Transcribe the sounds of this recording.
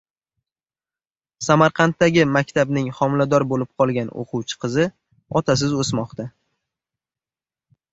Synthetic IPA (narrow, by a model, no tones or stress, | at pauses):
samaɾqʰɑnt̪ːaɡʲɪmakʲt̪ʰabnɪŋχɒmlad̪ɒɾbolɪp̚qʰɒlˠɡʲano̰qʰʊwt͡ʃʰɪ̥qʰɨzɪ | ɒt̪ʰas̬ɪzosmɒqt̪ʰa